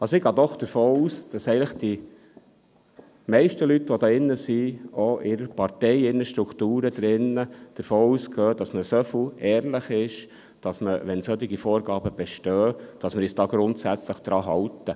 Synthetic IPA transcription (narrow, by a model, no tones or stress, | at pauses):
ɑsoɪɡɑːd̪ɔχd̥əɾfoːuːsd̥ɑsɛɪɡələχd̥i | mɛɪʃtəlyt̪ʋɔdɑːɪnːəsioʔɪɾəɾpɑɾtɛɪɪnːəʃtɾukʰt̪uːɾəd̪ɾɪnːəd̥əɾfoːuːsɡœːd̥ɑsməsøfəɛːɾlɪχɪʃ | d̥ɑsməʋɛnsœt̪iɡifoːɾɡɑːbəb̥ɛʃtœːd̥ɑsməɾisd̥ɑːɡɾʊntsæt͡sləχd̥ɾɑːɦɑwtə